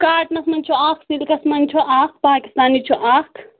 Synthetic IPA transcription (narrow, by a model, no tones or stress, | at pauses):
kaːʈmɐsmɐnʲt͡ʃʰuaːkʰsilkɐsmɐnt͡ʃʰuʔaːk̚ʰpaːki̥st̪aːnit͡ʃʰuʔaːkʰ